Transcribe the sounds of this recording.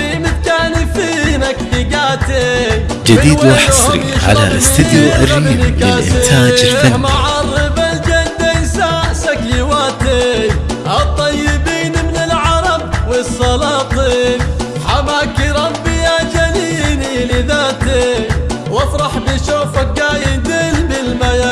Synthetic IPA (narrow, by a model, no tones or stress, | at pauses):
imɪt̪kaːnfiːnakfɪɡaːt̪e | d͡ʒad̪iːd̪wɪħasˤɾḭʕa̰la̰ʔɪ̰sɪd̪ʔa̰rˤiːɪʔɪ̰t̪ʰaːd͡ʒɪlfamaʕɑrˤːɨbald͡ʒald̪ensasakɪwaːt̪eʔɑt̪ˤːɑjːɪbiːnmɪnɪlʕɑɾˤɑb̚wɪsˤːɑlɑːt̪ˤin | ħamaːkɪɾɑbːɪjad͡ʒaliːnilɪðaːt̪e | wɪfɾˤɑħbɪʃoːfaɡaːjɪd̪eːlmɪlmaja